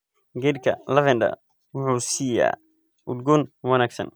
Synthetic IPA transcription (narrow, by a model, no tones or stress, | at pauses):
ɡɛd̪̚kʰɐlɐvɛnd̪ɐ̰ | wʊħuːsiːja̰ː | ʔʊd̪ɡʊnwɐnaːɡsɐ̰n